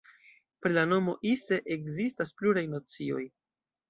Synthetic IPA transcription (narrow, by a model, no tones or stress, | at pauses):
pɾilano̞mo̞ʔiseʔekzistaspluɾajnot͡sio̞̰j